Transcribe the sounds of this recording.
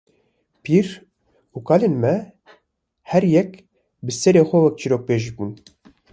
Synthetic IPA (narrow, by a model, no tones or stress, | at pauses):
piːɾ | ukɑːlenmɛ | hɛɾjɛk | bɨsɛɾeːxʷɛwɛk̚t͡ʃʰiɾoːk̚peːʒibuːn